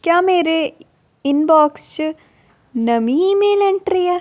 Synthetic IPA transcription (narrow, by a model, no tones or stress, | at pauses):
kjaːmeːɾe | ɪnbaːkst͡ʃ | nɐmimẽlɐ̃ɳʈɾiɛː